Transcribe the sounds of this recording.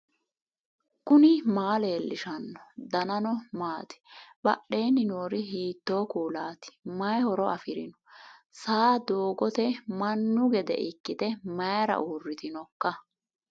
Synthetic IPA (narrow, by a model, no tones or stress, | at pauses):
kʊnɪmaːleːlːɪʃɐnːɔd̪ɐnɐnɔmaːt̪ɪ̥b̥ɐ̰ɗe̞ːnːɪnoːɾɪhiːt̪ːo̞ːkuːlaːt̪ɪ̥mɐjhɔɾɔɐfɪɾɪ̰nɔ̥saːd̪oːɡɔt̪ɛmɐnːʊɡɛd̪ɛ̰ʔɪkːɪt̪ɛmɐjɾɐ̰ʔuːrːɪt̪ɪnɔkːɐ